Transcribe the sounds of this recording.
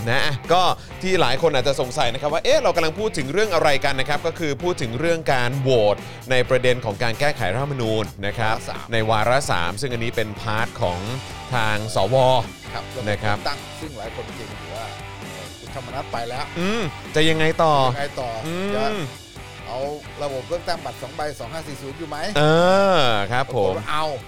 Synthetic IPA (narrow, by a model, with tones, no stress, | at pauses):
na˦˥ʔa˧˩kɔː˥˩ | t̪ʰiː˥˩laː˩˦jkʰo˧nʔaː˨˩t̪t͡ɕa˨˩so˨˩ŋsa˨˩jna˦˥kʰa˦p̚waː˥˩ʔeː˦˥ɾa˧wka˧mla˧ŋpʰuː˥˩t̪ʰːɯ˩˦ŋɾɯ˥˩əŋʔa˧ɾa˧jka˧nːa˦˥kʰɾa˦˥p̚kɔː˥˩kʰɯː˧pʰuː˥˩t̪ʰːɯ˩˦ŋɾɯ˥˩əŋkaː˧nwoː˨˩t̪̚ | na˧jpɾa˧de˧nkʰɔː˩˦ŋkaː˧nkɛː˥˩kʰa˨˩˦jɾa˦tʰa˥˩ma˧nuː˧nːa˦˥kʰɾa̰˦˥˩na˧jwaː˧ɾa˦˥sa̰ː˩˦msɯ˥˩ŋʔa˧nːiː˦˥pe˧npʰaː˦˥t̪̚kʰɔː˩˦ŋ | t̪ʰaː˧ŋsɔː˩˦wɔː˧ | kʰa˦˥p̚na˦˥kʰɾa˦˥pt̪a˥˩ŋsɯ˥˩ŋlaː˩˦jkʰo˧nʰ˧˥˩e˧˩ŋt̪uː˨˩waː˥˩ | ʔɤː˧˩kʰu˨˩t̪ʰa˧mːa˧na˦˥t̪̚pa˧jlɛ˦˥wʔɯː˧˩m | t͡ɕa˨˩ja˧ŋa˧jt̪ɔː˨˩ŋa˧jt̪ɔː˨˩ɯː˧t͡ɕa˨˩ | ʔa˧w | ɾa˧bo˨˩p̚ɾɯ˥˩əŋt̪aː˥˩ŋba˨˩t̪̚sɔː˩˦ŋba˧jsɔː˩˦ŋɦaː˥˩siː˨˩suː˨˦njuː˨˩ma˦˥jʔɤː˧kʰɾa˦˥pʰːo˩˦mʔa˧w